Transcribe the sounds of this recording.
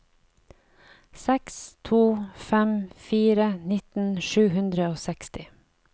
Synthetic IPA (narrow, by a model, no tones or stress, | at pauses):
sɛkst̪ʰuːfɛmfiːɾənɪt̪n̩ʃʉːhʉnd̪ɾəoːsɛkst̪ɪ